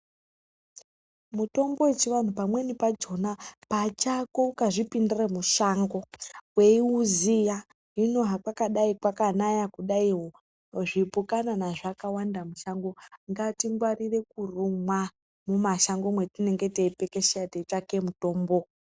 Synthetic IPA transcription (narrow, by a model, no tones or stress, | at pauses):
muto̞mbo̞et͡ʃiʋan̤upamwe̞nipad͡ʒo̞napat͡ʃakoukaʐipindiramuʃaːŋɡo̞we̞iuzija | ino̞ɦakwakaɗaikwakanajakuɗaiɦo | ʐipukananaʐakawandamuʃaŋɡo̞ŋɡatiŋɡwarire̞kurumwa | mumaʃaŋɡo̞mwe̞tine̞ŋɡe̞teipe̞ke̞ʃejateake̞muto̞ːmbo̞